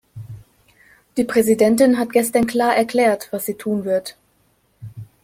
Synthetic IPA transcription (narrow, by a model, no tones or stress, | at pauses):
d̥iːpʁ̥ɛzidɛntɪnɦat̚ɡ̥ɛstɐnkl̥aːɐʔɛɐkl̥ɛːɐtv̥asz̥iːtʰuːnvɪɐt